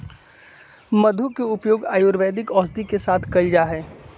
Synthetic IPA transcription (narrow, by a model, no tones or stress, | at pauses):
mɐd̪ʱukeʊpjoːɡaːjoːɾʋɛːd̪ɪkɔːsd̪ikesaːt̪ʰkɐld͡ʒaɦɛː